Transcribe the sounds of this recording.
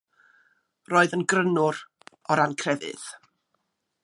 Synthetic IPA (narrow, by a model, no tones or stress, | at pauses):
roːɨðənɡrənʊɾ | ɔɾankʰrɛvɪ̰ð̥